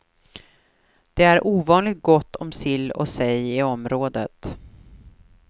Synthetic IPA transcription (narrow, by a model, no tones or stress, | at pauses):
d̪̥ɛæɾʔuːvɑːnlɪɡt̪̚ɡɔt̪ʰːɔmsɪlːɔ̰sɛjɪɔmɾoːd̪ət̪